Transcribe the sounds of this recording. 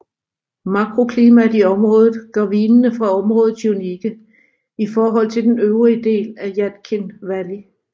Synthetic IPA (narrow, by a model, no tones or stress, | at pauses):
mɑ̈ɡ̥ʰʁo̝kʰliːmædiɒ̽mʁɔ̽ːðˠð̩ˠɡ̥ɶʋiːnnəfʁɑ̈ɒ̽mʁɔ̽ːð̩ˠsuniɡ̥ə | ifɒːɦɒ̽l̰t͡sʰe̝ld̥enøʊʁiəd̥e̝̰ːlæjæn̥kʰe̝nʋæli